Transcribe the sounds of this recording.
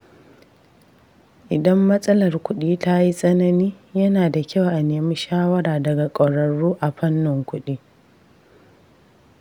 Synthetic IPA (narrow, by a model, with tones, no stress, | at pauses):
ʔɪ˨dɐ˦mːɐ˦sʼɐ˦lɐ˨rkʷʊ˦ɗiː˦ta˦ji˦sʼɐ˦nɐ˦niː˦jɐ˦naː˨da˨kʲa˦˨wʔa˨neː˨mi˦ʃaː˦wɐ˦ɾaː˨dɐ˨ɡa˨kʷʼɐ˨ɾɐ˨ɽuː˦ʔa˨ɸɐ˦nːɪ˨ŋkʷʊ˦ɗiː˦